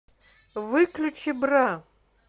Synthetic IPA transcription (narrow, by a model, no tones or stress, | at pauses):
vɨklʲut͡ʃʰibra